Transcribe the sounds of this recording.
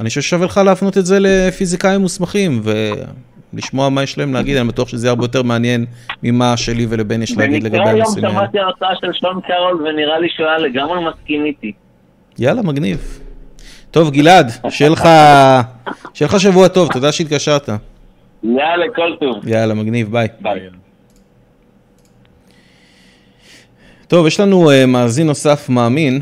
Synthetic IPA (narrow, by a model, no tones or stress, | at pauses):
aniʃoʃʃavelχaleːfno̞t̪ezele̞fizikaimːusmaχimve | lḭʃmo̞amajeʃlaemleaɡid̪anibat̪uaχʃezejaʁbe̞jot̪̬e̞ʁmeanje̞nmimaʃe̞livelebe̞njeʃleaid̪leɡabejamsḭmaimat̪iaʁt͡saaʃelʃomkaʁolveniʁaliʃualeɡammaskimit̪i | jalamaɡniv | t̪o̞vɡilad̪ʃelχa | ʃelχaʃ̬avuat̪o̞vt̪o̞d̪aʃeit̪̚ɡaʃaʁt̪a | jalekolt̪uvjalamaɡnivbajba | t̪o̞vjeʃlanuemaːzinːo̞safmaːmin